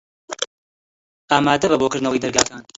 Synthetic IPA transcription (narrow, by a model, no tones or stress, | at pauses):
aːmaːd̪ɐbɐboːkɨɾd̪nɐwejd̪ɐɾɡaːkaːn